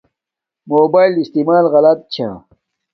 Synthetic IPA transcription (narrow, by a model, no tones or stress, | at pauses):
moːbaːilist̪imaːlɣɐlɐt̪̚t͡ɕʰa̰